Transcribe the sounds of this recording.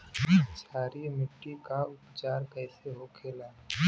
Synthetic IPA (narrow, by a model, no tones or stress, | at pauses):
saːɾimɪʈːikaʊpt͡ʃaːɾkɛːseɦokʰeːlaː